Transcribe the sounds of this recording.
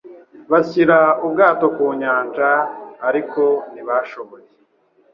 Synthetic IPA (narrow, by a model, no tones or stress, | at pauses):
βasiɾaub̚ɡaːto̞kuːɲaːnd͡ʒaːɾikʰo̞niβaʃo̞βoje